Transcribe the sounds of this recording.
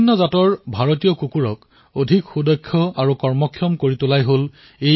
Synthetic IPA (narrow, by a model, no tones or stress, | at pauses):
nːɔzatɔɹbʱaɹotijɔkukuɹɔk | odʱikxudɔkʰːɔaɹukɔɹmɔkʰjɔmkoɹitʊlajɦol | e